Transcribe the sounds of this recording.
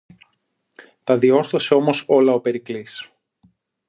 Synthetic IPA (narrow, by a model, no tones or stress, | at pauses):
t̪ɐðio̞ɾθo̞se̞o̞mo̞so̞lɐope̞ɾiklis